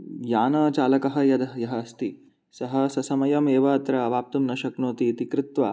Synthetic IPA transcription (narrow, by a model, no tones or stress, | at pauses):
jaːnɐt͡ʃaːlɐkɐɦɐ̆jɐd̪ɐɦjɐɦɐːst̪i | sɐɦɐsɐsɐmɐjɐmeːʋɐːt̪ɾɐʋaːp̚t̪umnɐʃɐknoːt̪iːt̪ikɾɪt̪ʋa̰ː